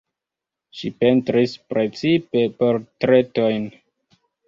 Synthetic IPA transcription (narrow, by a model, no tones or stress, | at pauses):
ʃipentɾispɾe̞t͡sipe̞po̞ɾtɾe̞to̞jn